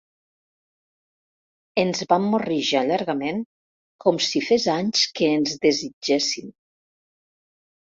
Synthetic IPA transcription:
enzβamːoriʒaʎaɾɣəmeŋ | kʰɔmsifezaɲskəːnzðezid͡ʒesim

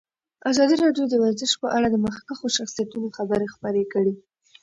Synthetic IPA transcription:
azɑd̪iɾɑɖjod̪əwaɾzəʃpəʔaɽad̪əmaxkaxoʃaxsijat̪unoxabəɾexpəɾekəɽi

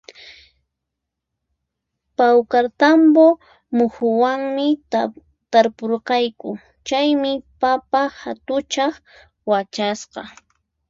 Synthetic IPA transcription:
pawkaɾt̪ambo | mʊxʊwaŋmɪ | t̪aɾpoɾqɑjkʊ | t͡ʃajmɪpapahat̪ʊt͡ʃɑχ | wat͡ʃasqɑ

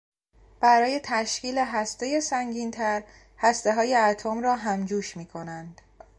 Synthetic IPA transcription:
b̥æɾɒːje̞t̪ʰæʃciːle̞ɦæst̪e̞je̞sæŋɟiːnt̪ʰæɾ | hæst̪e̞ɦɒːje̞æt̪ʰomɾɒːɦæmd͡ʒuːʃmiːkʰo̞nænd̪̥

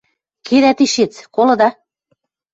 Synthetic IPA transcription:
kʰed̪æt̪iʃet͡skolɤ̆d̪ɑ

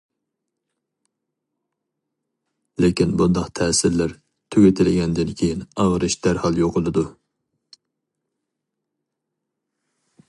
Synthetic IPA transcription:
lekʲinbund̪ɑqt̪ʰɛːsɪɾlæɾ | t̪ʰøɡʲet̪ʰɪlɪɡʲɛnd̪ɪnkʲʰejinɑʁɾɨʃd̪æɾhɑlˠjoqʰʊlˠɨd̪u

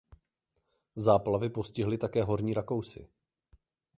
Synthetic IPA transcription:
zaːplavɪpo̞scɪɦlɪt̪akɛːɦo̞ɾɲiːɾako̞wsɪ̰

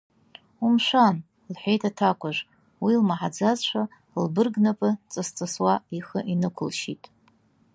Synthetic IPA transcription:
umʂʷan | lħʷᶣejtʰatʰakʷʰʼaʒʷ | wilmaħad͡zazʃʷa | lbɨrɡnapʼɨt͡sʼɨst͡sʼɨswaiχəʔinɨkʷʰʊlʃḭtʼ

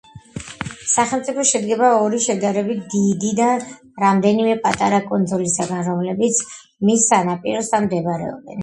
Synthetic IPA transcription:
saχɛlˠmt̪sʼipʰɔʃɛd̪ɡɛbaɔɾiʃɛd̪aɾɛbit̪̚ʰd̪id̪id̪a | ɾamd̪ɛnimɛpʼat̪ʼaɾakʼɔnt̪ɔlisaɡanɾɔmlɛbit̪sʰ | misːanapʼiɾɔsd̪anmd̪ɛbɾɛ̰ɔ̰bɛ̰n

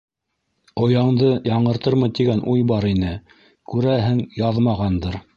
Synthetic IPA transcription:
ŏjɑɴd̪ɤjɑɴɤ̆ɾt̪ɤɾmɤ̆t̪iɡænʔujbɑɾinɘ | kʉɾæɦɘŋjɑðmɑʁɑnd̪ɤɾ

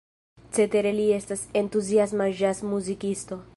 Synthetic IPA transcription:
t͡se̞t̪eɾe̞lie̞stase̞ntuziasmaʒasmuzikisto̞

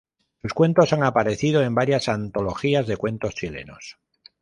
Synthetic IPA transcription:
suskwe̞nt̪o̞saŋapaɾe̞θið̞o̞e̞mbaɾjasant̪o̞lo̞xiazðe̞kwe̞nt̪o̞st͡ʃile̞̰no̞̰s

